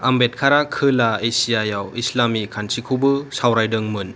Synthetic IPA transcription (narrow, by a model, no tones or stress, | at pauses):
ambet̚kʰaɾakʰɯlaesijajawislamikʰansikʰubɯsawɾajdɯŋmɯn